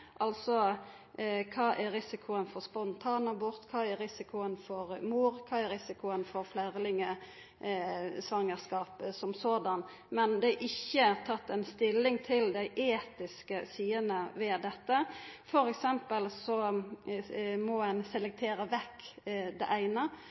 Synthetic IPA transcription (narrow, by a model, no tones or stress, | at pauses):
ʔɑlsɔ | kʰɑːʔæɾɪsɪkʰʊənfɔɾspɔnt̪ʰɑːnɑbɔɾt̪kʰɑːæɾɾɪsɪkʰʊənfɔɾmuːɾkʰɑːæɾɪsɪkʊənfɔɾflæːʁlɪŋə | sʋɑŋːəʁskɑːpsɔmsoːd̪ɑn | mɛnd̪ɛæɾʔɪçːət̪ʰɑt̪ːɛnst̪ɪlːɪŋt̪ʰɪld̪æɪʔeːt̪ɪskəsiːənəʋɛd̪ɛt̪ːəfɔɾɛksɛmpəlsɔ | mɔɛnsɛlɛk̚t̪ʰeːɾəʋɛkːd̪ɛ̰ʔæɪnə